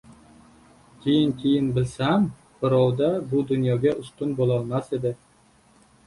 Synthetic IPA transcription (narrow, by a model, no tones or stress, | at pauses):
kʲʰejɪŋkʲʰejɪnbɪlsam | b̥ɪɾɒwd̪abʊd̪ʊnjɒɡʲaʔʊst̪ʊnbolˠɒlˠmased̪ɪ